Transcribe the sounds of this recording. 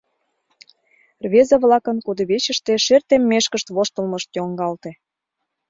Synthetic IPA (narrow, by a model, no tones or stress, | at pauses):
rβʲezɑβlɑkənkud̪əβet͡ɕə̆ʃt̪eʃert̪emːeʃkəʃt̪βoʃt̪ə̆lməʃt̪joŋɡɑlt̪ĕ